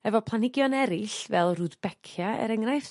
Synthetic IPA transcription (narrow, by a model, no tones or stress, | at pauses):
ɛvɔpʰlˠanɪɡjɔnɛɾɪɬvɛlˠruðbɛkʰjaɛ̰ɾɛŋrajθ